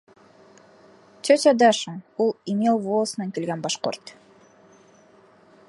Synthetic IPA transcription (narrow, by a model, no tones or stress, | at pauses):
tʰøtʲɑd̪ɑʃəulˠimʲelˠvolˠəsnɑŋkelɡænbɑʃqo̰rt̪